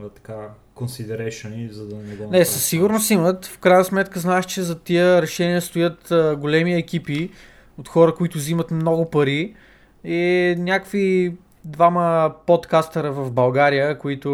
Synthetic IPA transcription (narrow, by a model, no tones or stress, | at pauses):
t̪ɐ̥ka | konsid̪ɛɾɛʃonizɐd̪ɐnɛɡɔnɛsɐsːiɡʊɾnost̪imət̪fkɾajnəsmɛt̪kəznaɛʃt͡ʃɛzɐt̪iəɾɛʃɛniəst̪ʊjət̪ɡolɛmiɛkʲipi | ot̪xɔɾəkʊit̪ʊzimət̪mnɔɡʊpɐɾi | ɛnʲjakvi | d̪vaməpot̪kast̪ɐɾɐvɐvbɐlˠɡaɾijəkʊit̪ʊ